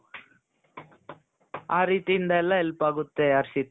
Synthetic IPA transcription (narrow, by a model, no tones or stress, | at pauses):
aːɾiːt̪ind̪ɐɛlːɐɛlpaːɡut̪ːeɐɾsit̪ː